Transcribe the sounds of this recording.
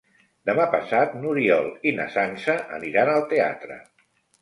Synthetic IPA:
d̪əmapəsat̪nuɾiɔlˠinə̰sansəʔə̰niɾanəlˠt̪ea̰t̪ɾə̰

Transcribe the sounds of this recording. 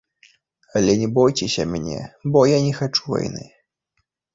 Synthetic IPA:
ɐlʲɛnʲɛbɔjt͡sʲɛsʲɐmʲnʲɛ̰bɔjanʲɛxat͡ʂuva̰jnɨ̰

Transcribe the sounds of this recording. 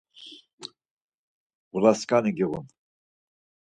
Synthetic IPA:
ʁuɾaskʼaniɡiʁun

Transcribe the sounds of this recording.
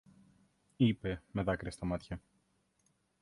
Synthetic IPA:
ipe̞me̞ðɐkɾest̪ɐmɐt̪çɐ

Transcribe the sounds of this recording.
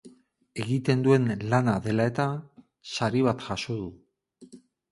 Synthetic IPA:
e̞ɣit̪e̞nd̪ue̞nlanaðe̞lae̞t̪a | saɾiβat̪ʝasoðu

